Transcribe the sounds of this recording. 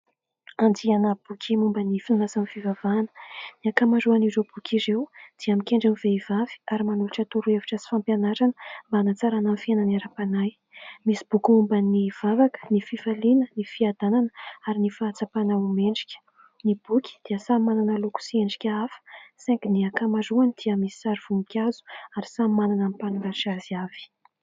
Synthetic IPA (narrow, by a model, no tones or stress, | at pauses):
and͡zianab̥ukʰʲimumbanifinazamifivavaːnə̥niakamaɾuanirob̥ukʲiɾewd̪̥iamikʲeɳɖ͡ʐamiveivavi̥aɾimanuluʈ͡ʂət̪uɾueviʈ͡ʂəsi̥fampjanaɾanəmbanat͡saɾananfienaneɾapanaj | misi̥b̥ukumbaniv̥avakə̥nififalinənifiad̪̥ananəaɾinifaːt͡sapanawumeɳɖ͡ʐikʲə̥ | nib̥ukʲi̥d̪̥iəsamananəluku̥sieɳɖ͡ʐi̥kʲəafə̥sɛ̃ŋkniakamazuanid̪̥iəmisi̥saɾiv̥unikʲazu̥aɾisamananamipanuŋɡaʃaziav̥i̥